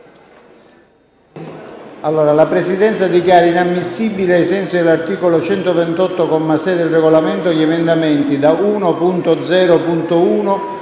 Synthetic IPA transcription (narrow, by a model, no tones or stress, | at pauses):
alːoːɾalapɾesid̪ɛnt̪sad̪ikjaːɾainamːisːibːileajsɛnsid̪elart̪iːkolot͡ʃɛnt̪ovɛnt̪ɔt̪ːokɔmːasɛd̪elrɛɡolamɛnt̪oʎɛmend̪amɛnt̪id̪auːnopunt̪od̪zɛːɾopunt̪ouːno